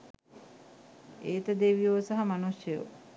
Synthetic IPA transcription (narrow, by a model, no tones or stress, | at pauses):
eːt̪əd̪eʋijoːsaɦamanusjjo̰